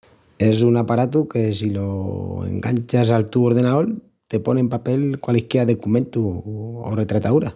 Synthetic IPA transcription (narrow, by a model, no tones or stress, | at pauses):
e̞sunapaɾat̪̬uke̞siloḛŋɡant͡ʃas̬alt̪uoɾð̞e̞naðoɾ | t̪e̞ponempapelkwalehkeaðekumẽ̞nt̪uo̰re̞t̪ɾat̪aðuɾa